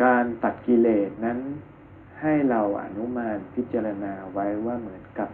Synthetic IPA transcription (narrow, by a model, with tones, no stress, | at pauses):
kaː˧nt̪a˨˩t̪̚ki˧leː˨˩t̪̚na˦˥n | ha˥˩jɾa˧wʔa̰˧nu˦˥maː˧npʰi˦˥t̪̚t͡ɕaː˧ɾa˧naː˧wa˦˥jwaː˥˩mɯ˩˦ənka˨˧˩p̚